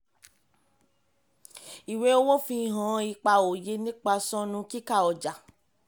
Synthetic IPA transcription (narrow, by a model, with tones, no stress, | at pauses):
i˨we˦o˦wõ˦fĩ˧˨ɦã˨˦i˧k͡pa˧o˨je˧˦nĩ˦k͡pa˧sɔ̃˦nũ˧˦ki˦ka˦˨ɔ˨d͡ʒa˨